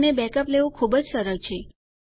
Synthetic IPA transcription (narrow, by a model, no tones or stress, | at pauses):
nebɛkəpleʋukʰubəd͡ʒsəɾəɾt͡ʃʰe